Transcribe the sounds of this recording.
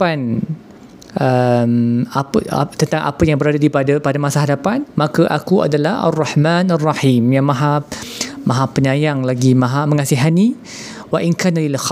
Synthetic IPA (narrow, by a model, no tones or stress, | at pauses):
an | ʔəmapa̰t̪ənt̪aŋʔa̰pajaŋbəɾadadipadapadamasaɦadapanmãkaʔa̰kua̰dalahʔa̰rˤːɑħmanarˤːɑħimjaŋmãɦa | mãɦapːəɲãjaŋlaɡimãɦamə̃ŋasiɦani | waʔinkaːnalilx